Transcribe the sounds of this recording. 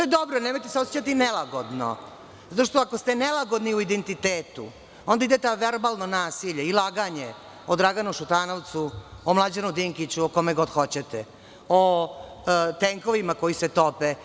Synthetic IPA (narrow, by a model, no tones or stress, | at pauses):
t̪ojed̪obɾoneːmo̞jt̪eseosjet͡ɕat̪inɛlaɡod̪no̰ | zat̪oʂt̪oako̞st̪enelˠaɡod̪niuid̪ent̪it̪eːt̪ṵ | o̞nd̪aid̪et̪aʋeɾbalˠnonaːsiʎeilˠaːɡaɲe | od̪ɾaɡanuʃut̪anoʋt̪suomlˠad͡ʑenud̪iŋkit͡ɕuoko̞meɡo̞d̪xo̞t͡ɕet̪ɛ | o | t̪eŋko̞ʋimako̞jiset̪ope